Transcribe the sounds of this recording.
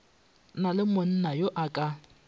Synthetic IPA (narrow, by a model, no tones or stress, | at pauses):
nalɪmʊn̩najoʔakʼa